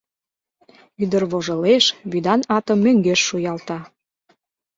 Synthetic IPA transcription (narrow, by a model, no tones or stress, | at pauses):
yd̪ərβoʒə̆leʃβyd̪ɑnɑt̪əmːøŋɡeʃːujɑlt̪ɑ